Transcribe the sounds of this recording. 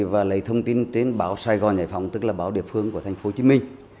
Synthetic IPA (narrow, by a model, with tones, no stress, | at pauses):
vaː˨˩lə˨˩jt̪ʰə˧wŋ͡mt̪i˧nt̪e˨˦nɓaː˧˦wsaː˧jɣɔ˨˩nza̰ː˧˨jfɔ̰˧˩wŋ͡mt̪ɨ˦˥k̚laː˨˩ɓaː˨˦wɗḭ˧˨əfɨ˧əŋku˧˩ət̪ʰa˨˩ŋ̟fo˨˦t͡ɕi˨˦mï˧ŋ̟